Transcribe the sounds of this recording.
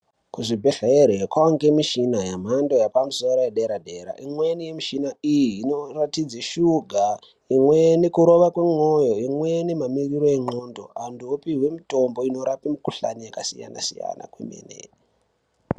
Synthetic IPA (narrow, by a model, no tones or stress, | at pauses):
kuʐibʱeɬaeɾekwaŋɡemiʃinajam̤andojapamusoɾojeɗeɾade̞ɾa̰imwenijemiʃinaijiːnoratid͡zeʃuɡʱa | imwenekuɾo̞ʋakweŋojoimwenemamiriɾo̞eŋ͡ǃondo̰anduopiɦwe̞mito̞mbo̞ino̞ɾapimukuɬanijakasija̰na̰sḭja̰na̰kwḛmḛnḛ